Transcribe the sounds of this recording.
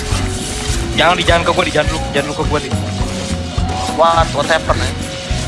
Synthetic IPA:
d͡ʒaŋandid͡ʒaŋankəbuandid͡ʒanluid͡ʒanlukəbuani | wat̪wat̪ajapərnɛ

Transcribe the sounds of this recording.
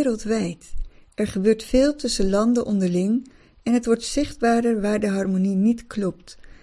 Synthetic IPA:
ɾəlˠtʋɛjtɛɹχəbøːɹtfɪːlˠtɵsəlɑndəʔɔndəɹlɪŋ | ɛnɦətʋɔɹtsɪχd̚baːɾəɹʋaːɹdəɦɑɹmoninitklɔp̚t

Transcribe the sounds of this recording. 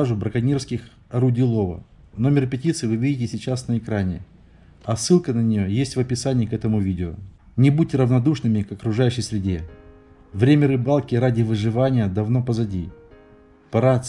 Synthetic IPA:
aʐʊbɾəkɐnʲirfskʲɪx | ɐɾudʲilˠo̞və̰ | no̞mʲɪrpʲɪtʲit̪sɨvɨvʲidʲɪtʲɪsʲɪt͡ɕasnəɪkɾanʲɪ | ɐsːɨlˠkənənʲɪjo̞jesʲtʲvəpʲɪsanʲɪjɪkɛt̪əmʊvʲidʲɪʊ̰ | nʲɪbutʲːɾəvnɐd̪uʂnɨmʲɪkɐkɾʊʐajʉɕːəjsʲɾʲɪdʲe̞ | vɾʲemʲəɾɨbalˠkʲɪɾadʲɪvɨʐɨvanʲɪjəd̪ɐvno̞pəzɐdʲi | pɐɾa

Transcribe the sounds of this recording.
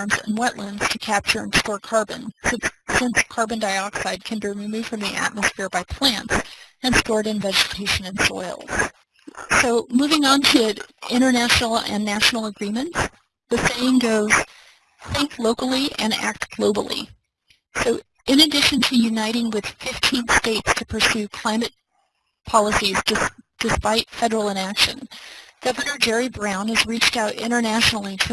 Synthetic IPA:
ɹmzɨ̰̃nwɛʔˡlə̃nz̥tʰɨkʰæp̚t͡ʃə˞ɨ̃nstɔɹkʰɑɹbɨ̰̃nsɨ̃ssɪ̃nskʰɑɹbɨ̃ndaɪɑksaɪd̚kʰɨ̃nbiɹimʉv̥fɹʌ̃mðiʔæ̰t̚məsfɪɹbaɪpʰl̥æ̃nts | ɨ̃nstɔɹɾɨ̃nvɛd͡ʒɨtʰeɪʃɨ̃nɨ̃nsɔ̰ɪlˠz̥ | soʊmuvɪ̃ŋə̃ntʰɨɪ̃ɾ̃ə˞næʃnl̩ˠɨ̰̃nːæʃn̩l̩ˠəɡɹĩmɨ̃nts | ðɨseɪɪ̃ŋɡoʊz̥ | θɪ̃ŋkʰloʊkl̩ˠiɨ̰̃næ̰k̚tɡ̥loʊbl̩ˠḭ | soʊ | ɨ̃nɨdɪʃɨ̃ntʰɨjʉnaɪɾɪ̃ŋwɨð̥fɪftʰĩnsteɪtstʰɨpʰə˞sʉkʰl̥ãɪ̃mɨt̚ | pʰɑlˠəsizdɨsd̥ɨspaɪtfɛɾə˞l̩ˠə̃nækʃɨ̰̃nɡ̥ʌvɨnə˞d͡ʒɛɹibɹãʊ̃nɨzɹit͡ʃtaʊɾɪ̰̃ɾ̃ə˞næʃnl̩ˠitʰ

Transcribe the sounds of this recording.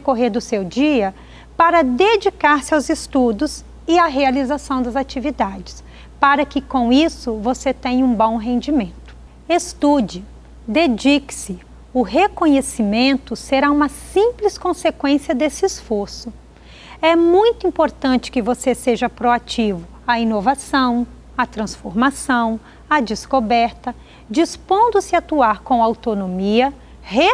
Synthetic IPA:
dekoɦeɾd̪ʊsewd͡ʒiɐ | paɾɐd̪ed͡ʒikaɾsɪawzɪst̪ud̪ʊs | ɪaɦealizasɐ̃w̃d̪ɐzat͡ʃivid̪ad͡ʒɪs | paɾɐkɪkõw̃isʊvoset̪ẽɲɐũbõw̃ɦẽnd͡ʒimẽnt̪ʊ̥ | est̪ud͡ʒɪ | d̪ed͡ʒikɪ̥sɪ | ʊɦekõɲesimẽnt̪ʊseɾaũmɐsĩplɪskõsekwẽsiɐd̪esɪisfoɾsʊ | ɛmũj̃t̪ʊĩmpoɾt̪ɐ̃nt͡ʃɪ̥kɪvoseseʒɐpɾoat͡ʃivʊ | ɐinovasɐ̃w̃ | ɐt̪ɾɐ̃sfoɾmasɐ̃w̃ | ɐd͡ʒɪskobɛɾt̪ɐ | d͡ʒispõnd̪ʊsɪat̪uaɾkõw̃awt̪onõmiɐ | he

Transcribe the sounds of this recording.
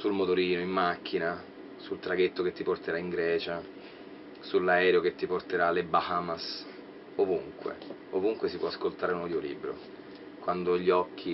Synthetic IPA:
sulmot̪oɾiːnoimːakʰːina | sult̪ɾaɡet̪ːoket̪ːiport̪eɾaiŋɡɾɛːt͡ʃa | sulːaɛːɾeoket̪ːiport̪eɾalebaxamas | ovuŋkwḛ | ovuŋkwesipwɔaskolt̪aːɾeunɔd̪jolḭbːɾo̰ | kwand̪oʎːiɔkʰːi

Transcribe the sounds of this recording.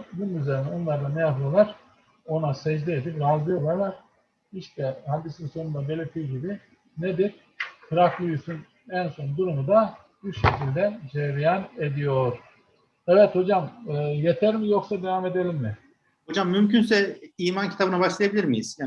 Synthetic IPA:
d̪unumyzeinɛonlˠaɾd̪anɛjaplˠɯolˠaɾ̥ | o̞nasɛd͡ʒd̪ɛːd̪ipɾazɯjo̞ɾlˠaɾlˠaɾ̥ | iʃt̪ʰɛhad̪isinso̞nund̪abe̞lʲeɾt̪ʰijɟibi | ned̪iɾ | kʰɯɾaklʲˠujusun | ɛnso̞nd̪uɾumud̪a | biɾʃecʰilʲd̪ɛd͡ʒeɾijane̞d̪ijo̞ɾ̥ | ɛvɛt̪ho̞d͡ʒamɯːjet̪ʰæɾmijo̞ksad̪evame̞d̪e̞lʲimmɪ | hod͡ʒamːymcynsɛiːmancʰit̪ʰabɯnabaʃlˠajabilʲiɾmijiz̥ja

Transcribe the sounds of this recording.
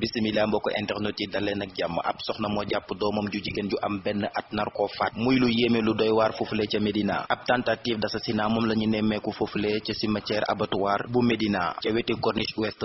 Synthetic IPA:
bisimilaːmbɔːkːɔʔɛntɛxnotidɐlːɛnɐk̚ɟamːə̰ʔɐ̰psɔxnɐmɔɟapːədɔːmɔmɟuɟiɡenɟuʔɐmbɛnːəʔɐt̚nɐrkɔfat̚mujlujeːmeludɔjwaːrfuflɛcɐmedina̰ːʔɐp̚tantatiːfdɐsɐsinaːmɔmlɐɲunɛmːɛkufuflɛcɐsimɐtɛːɾʔɐ̰bɐtwaːɾbumedina̰cɐwɛtikɔrniʃwɛst

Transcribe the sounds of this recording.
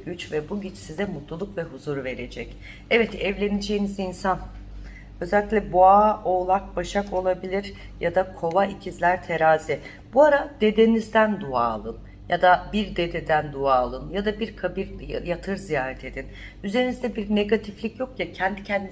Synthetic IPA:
ɟyt͡ʃvɛbuɟit͡ʃsizɛmut̪lˠulˠukvɛɦuzuɾve̞ɾe̞d͡ʒɛc | ɛvɛt̪ɛvlʲe̞nid͡ʒejinizinsan | øzɛlʲːiclʲɛbuaːolˠak̚baʃako̞lˠabilʲiɾ | jad̪akʰo̞vaicʰizlʲæɾt̪ʰe̞ɾaːzi | b̥uaɾad̪̥e̞d̪e̞nizd̪ænd̪ua̰ːlˠɯn | jad̪abiɾd̪e̞d̪e̞d̪ænd̪uaːlˠɯnjad̪abiɾkʰabiɾjat̪ʰɯɾzijaːɾɛt̪ʰe̞d̪in | yze̞ɾinizd̪ɛbiɾne̞ɡat̪ʰiflʲicjo̞kjacʰɛnd̪icʰɛnd̪i

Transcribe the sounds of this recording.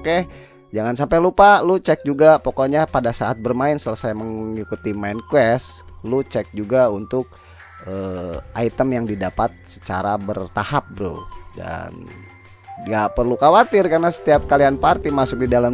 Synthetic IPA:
oke | d͡ʒaŋans̬ampalupalut͡ʃɛk̚d͡ʒuɡapokoɲapadasaat̪̚bərmaɪnsələsajməŋikut̪imaɪnkwɛslut͡ʃɛk̚d͡ʒuɡaunt̪ʊk̚ | əait̪əmjaŋdidapat̪̚sə̥t͡ʃa̰ɾabərt̪ahap̚bɾṵda̰n | ŋɡapərlukawat̪ɪrkarnasə̥t̪iap̚kalianpart̪imasʊk̚didalam

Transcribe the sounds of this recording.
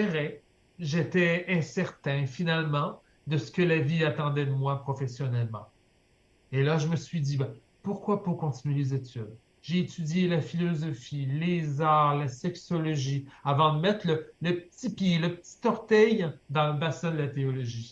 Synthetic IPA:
ɛʁɛ | ʒet̪ɛɛ̃sɛʁt̪ɛ̃finalmɑ̃ | d̪əsə̥kəlaviat̪ɑ̃d̪ɛd̪əmwapχɔfesjɔnɛlmɑ̰̃ | elaʒəməsɥid̪ibɛ | puʁkwapɔʁkɔ̃t̪inɥeezet̪yd̪ | ʒeːt̪yd̪jelafilɔzɔfilezaːʁlasɛksɔlɔʒiavɑ̃d̪əmɛt̪χlələpət̪ipjeləpə̥t̪i̥t̪ɔʁt̪ɛjd̪ɑ̃ləbasɛ̃d̪əlat̪eɔlɔʒi

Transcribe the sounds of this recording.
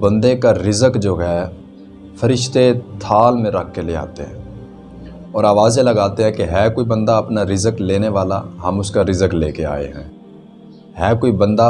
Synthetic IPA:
bɐ̃nd̪ekaɾɪzəkd͡ʒoːɦɛː | fəɾɪʃt̪et̪ʰaːlmẽɾɐkʰːelea̰ːt̪eɦɛ̰̃ː | ɔːɾaːʋaːzjẽlɐɡaːt̪eɦɛ̃keɦɛːkoibɐ̃nd̪aɐpnaɾɪzəkleːneʋaːla̰ɦɐmʊskaɾɪzəklḛːkea̰ːḛɦɛ̰̃ː | ɦɛːkoibɐ̃nd̪a

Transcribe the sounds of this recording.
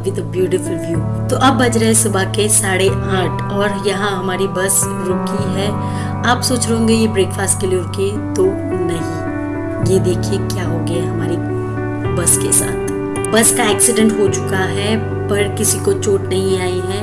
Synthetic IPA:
bʱid̪ɐbjuːʈɪfʊlʋjuː | t̪oʔɐbːɐd͡ʒɾɐɛsʊbakesaːɽeãːʈʰɔːɾjɐɦãɦɐmaːɾibɐs | ɾoːkiɦɛː | aːpsoːt͡ʃɾɐɦõːɡejebɾeːkfaːsʈ̚keliʊɾki | t̪o | nɐɦĩ | jed̪eːkʰiekjaːɦoɡɐeɦɐmaːɾi | bɐskesa̰ːt̪ʰ | bɐskaɛːksɪɖɛ̃ɳʈɦot͡ʃʊ̥kaɦɛ | pɐɾkɪsikot͡ʃoːʈnɐɦĩaːiɦɛ̃ː

